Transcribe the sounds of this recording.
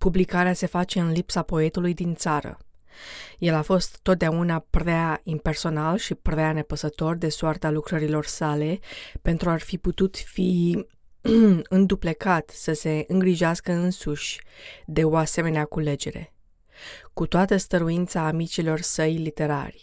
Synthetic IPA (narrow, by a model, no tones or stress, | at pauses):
publikaɾease̞fat͡ʃe̞ɨnlipsapo̞e̞t̪ulujd̪int̪saɾə̰ | je̞lafo̞st̪ːot̪̚d̪eaunapɾeaimpe̞rso̞nalʃipɾeane̞pəsət̪o̞rd̪e̞soʊart̪alukɾəɾilo̞rsale̞pe̞nt̪ɾuarfiput̪ut̪fi | ɨnd̪uple̞kat̪səse̞ɨŋɡɾiʒeaskəɨnsuʃʲd̪e̞o̞ase̞me̞neakule̞d͡ʒe̞̰ɾe̞̰ | kut̪oat̪əst̪əɾuint̪saːmit͡ʃilo̞rsəjlit̪e̞ɾa̰rʲ